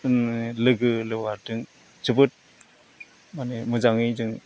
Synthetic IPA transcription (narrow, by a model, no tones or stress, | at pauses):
nelɯɡɯlɯwaɾdɯŋ | t͡ʃɯbɯt̚ | manemɯzaŋidɯŋ